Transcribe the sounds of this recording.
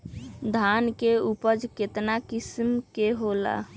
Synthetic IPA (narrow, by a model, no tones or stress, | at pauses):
d̪ʱankeupəd͡ʒket̪nakismkeɦola̰